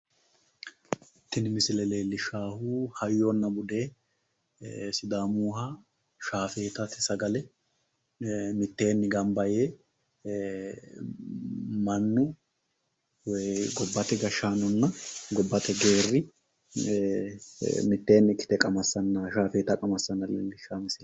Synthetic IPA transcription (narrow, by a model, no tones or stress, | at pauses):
t̪ːɪnmɪsɪlɛleːlːɪʃaːhuːhɐjːonːɐbʊd̪e̞ː | sɪd̪aːmuːhɐ | ʃaːfe̞ːt̪ɐt̪ɪ̥sɐɡɐlɛ | mɪt̪ːe̞ːnːɪɡɐmbɐjeː | mɐnːʊ | ɡɔbːɐt̪ɛɡɐʃaːnɔnːɐɡɔbːɐt̪ɛɡe̞ːrːɪ | mɪt̪ːe̞ːnːɪkːɪ̥t̪ɛkʼɐmɐsːɐnːɐʃaːfe̞ːt̪ɐkʼɐmɐsːɐnːɐlḛːlːɪʃːaːmɪsɪl